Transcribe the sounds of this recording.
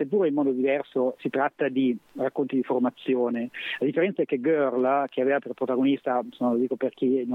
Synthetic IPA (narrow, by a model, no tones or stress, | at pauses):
sepːuːɾoimːɔːd̪od̪ivɛrsosit̪ɾat̪ːad̪irakːont̪id̪iformat̪sːjoːnelad̪ifːeɾɛnt̪saɛkːeɡørlk̟ʰeaveːvaperpɾot̪aɡonist̪amsomalod̪iːkoperk̟inõ